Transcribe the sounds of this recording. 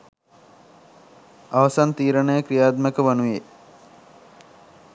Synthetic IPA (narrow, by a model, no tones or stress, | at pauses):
aʋəsant̪iːɾənəjəkɾijaːd̪məkəʋanuje